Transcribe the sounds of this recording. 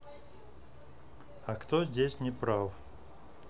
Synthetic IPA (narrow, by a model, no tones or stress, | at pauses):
akt̪ozʲdʲesʲnʲɪpɾaf